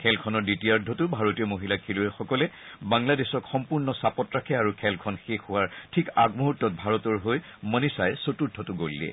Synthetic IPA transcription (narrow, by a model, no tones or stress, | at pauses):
kʰɛlkʰɔnɔɹditiaɹdʱɔtʊbʱaɹotijɔmoɦilakʰiluɛxɔkɔlɛ | baŋladesɔkxɔmpuɹnɔsapɔtɹakʰɛaɹukʰɛlkʰɔnxexuwaɹtʰikaɡmuɦutːɔt̚bʱaɹɔtɔɹɦoj | mənisajɛsotudʰʱːɔtʊɡolːɛ̰